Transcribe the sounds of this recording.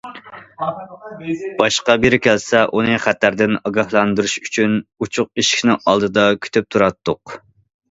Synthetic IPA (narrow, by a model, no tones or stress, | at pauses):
b̥ɑʃqɑbeɾɪkʲʰɛlsɛʔunɨχæt̪ʰːæɾd̪ɪnɑɡɑhlˠɑnd̪uɾuʃy̥t͡ʃʰynut͡ʃʰʊq̚iʃkʲnɪŋɑlˠd̪ɨd̪ɑkʲʰy̥t̪ʰyp̚t̪ʰuɾɑt̪ːʊq